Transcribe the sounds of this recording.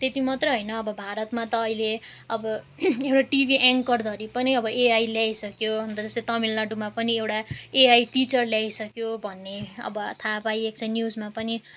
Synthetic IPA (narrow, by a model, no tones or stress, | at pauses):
t̪et̪imʌt̪rʌɦʌjnʌːbʌbʱaɾʌt̪mat̪ʌːileʌbʌewʈaʈibʱiʔaŋkʌrd̪ʱʌɾipʌniʌbʌeajljajsʌkjoɦʌnt̪ʌd͡zʌset̪ʌmilnaɖumapʌniewʈaeajʈit͡sʌrljajsʌkjobʱʌnːeʌ̰bʌt̪ʰapajek̚sʰʌjnjud͡zmapʌni